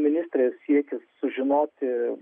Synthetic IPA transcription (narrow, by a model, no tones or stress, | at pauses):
mʲɪnʲɪst̪ʲɾʲeːssʲiɛkʲɪssʊʒʲɪnoːt̪ʲɪ